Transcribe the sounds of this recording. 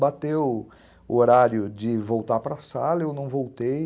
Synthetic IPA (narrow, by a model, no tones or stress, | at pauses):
bat̪ew | ʊ̰oɾaɾjʊd͡ʒɪvowt̪aɾpɾasalɐewnɐ̃w̃vowt̪ej